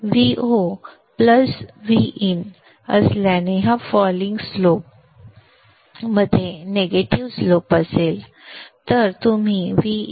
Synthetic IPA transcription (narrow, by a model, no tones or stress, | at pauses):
ʋiʔo | pləsʋiʔin | əsljaneɦafɔliŋɡslop̚ | məd̪ʱːjeneɡeʈiʋslopəsel | t̪əɾt̪um̤iʋi